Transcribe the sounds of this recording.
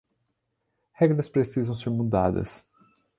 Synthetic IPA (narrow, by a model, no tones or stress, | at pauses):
hɛɡɾɐspɾesizɐ̃w̃seɾmud̪a̰d̪ɐ̰s